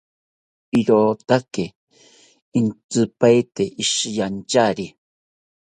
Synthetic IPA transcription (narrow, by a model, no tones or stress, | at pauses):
iɾot̪ake | int͡sɨpajt̪eʔiʃjant͡ʃaɾi